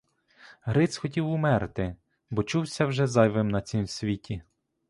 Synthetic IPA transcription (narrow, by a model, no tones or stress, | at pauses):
ɦɾɪt̪sxɔtʲiwʊmɛɾt̪ɪ | bɔt͡ʃuwsʲɐwʒɛzɑjʋɪmnɐt͡sʲimsʲʋʲitʲi